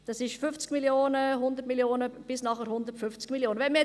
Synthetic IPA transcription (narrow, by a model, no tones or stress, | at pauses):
d̥ɑsɪʃfʏft͡sɡ̥miljoːnəɦʊndəɾtmiljoːnəb̥ɪsnɑχəɾɦhʊndəɾtfʏft͡sɡ̥miljoːnəvɛnmiɛ